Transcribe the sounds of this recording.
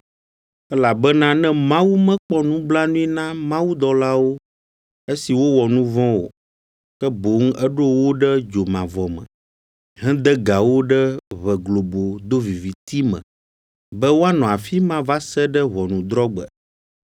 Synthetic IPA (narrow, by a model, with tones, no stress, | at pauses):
ɛ˦la˨bɛ˦nã˦nɛ̃˦mã˦wu˦mɛ̃˦k͡pɔ˦nũ˦bla˦nũ˦i˦nã˦mã˦wu˦d̪ɔ˦la˦wo˦ | e˦si˨wo˦wɔ˨nũ˦vɔ̃˦wo̰˨ | kɛ˦bo˨˦ŋ˦ɛ˦ɖo˦wo˦ɖɛ˦d͡ʒo˨mã˨vɔ˨mɛ̰̃˨ | ɦɛ̃˦d̪ɛ˦ɡa˨wo˦ɖɛ˦βɛ˨ɡlo˨bo˨d̪o˦vi˨vi˨t̪i˦mɛ̰̃˨ | bɛ˦wo˦a˦nɔ̃˨a˨fi˦mã˦va˦sɛ˦ɖɛ˦βɔ˨nũ˨d̪ɾɔ˦ɡ͡bɛ̰˨